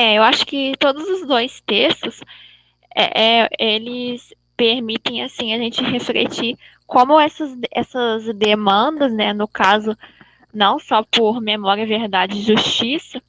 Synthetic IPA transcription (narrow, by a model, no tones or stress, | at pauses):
ɛewaʃʊ̥kɪt̪od̪ʊzʊzd̪ojst̪est̪ʊs | ɛ̰ɛelɪs | peɾmit̪ẽj̃asĩɐʒẽnt͡ʃɪɦeflḛt͡ʃi | kõmʊɛsɐzɛ̰sɐzd̪emɐ̃d̪ɐznɛnʊkazʊ | nɐ̃w̃sɔpʊɾmemɔɾiɐveɾd̪ad͡ʒɪɪʒuʃt͡ʃisɐ